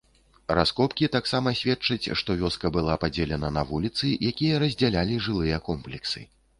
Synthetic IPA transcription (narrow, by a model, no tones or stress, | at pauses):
raskɔpkʲit̪aksamɐsʲvʲɛtt͡ʂɐt͡sʲʂt̪ɔvʲɔskɐbɨlˠapad͡zʲɛlʲɛnɐnɐvulʲit̪sɨjakʲijɐɾɐzʲd͡zʲalʲalʲiʐɨlˠɨjɐkɔmplʲɛksɨ̰